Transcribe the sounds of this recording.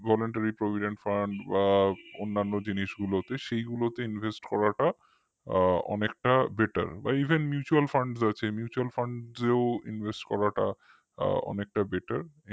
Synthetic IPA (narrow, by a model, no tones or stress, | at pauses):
vɔloɳʈaɾipɾobʱiɖeɳʈfaɳɖbaonːanːod͡ʑiniʃɡulot̪eʃejɡulot̪einvʱesʈkɔɾaʈa | ɔ̰nek̚ʈabeʈa̰ɾba̰ibʱenmjut͡ɕualfaɳɖsat͡ɕʰemjut͡ɕualfaɳɖzeoḭnvʱesʈkɔɾaʈa | ɔ̰nek̚ʈabeʈaɾ